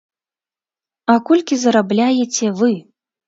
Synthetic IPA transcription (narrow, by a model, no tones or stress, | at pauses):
ɐkɔlʲkʲizɐɾablʲajet͡sʲɛvɨ